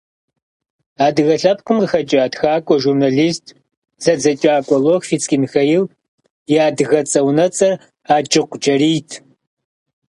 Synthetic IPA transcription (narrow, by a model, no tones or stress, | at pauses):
aːdɨɣɐɬɐpkʷʰʼʊmɨxɐt͡ʃʼaːdxaːkʷʼɔʒurnaɮiːstʰʼ | z̥ɐd͡zɐt͡ʃʼaːkʷʼɔloxfit͡sʼkʲʼinxɐjɪw | jaːdɨɣɐt͡sʼɐwnɐt͡sʼɐr | aːd͡ʒʼɪqʷd͡ʒɐɾiːtʰ